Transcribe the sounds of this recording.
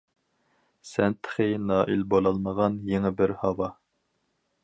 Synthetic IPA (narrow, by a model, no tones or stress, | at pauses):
sɛnt̪ʰə̥χinɑːʔilbolˠɑlˠməʁɑnjeŋɪbɪɾhɑwɑ